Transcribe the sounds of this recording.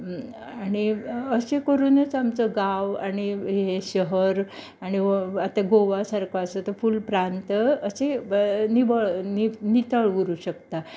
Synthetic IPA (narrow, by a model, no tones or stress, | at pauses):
aɽ̃iəsekəɾuːnet͡samt͡səɡaʋaɽ̃iɦeɕəɦəɾ | aɽ̃iat̪aɡoʋasaɾkasət̪əfulpɾant̪əsenibəɭninit̪əɭʋuɾuːɕəkt̪a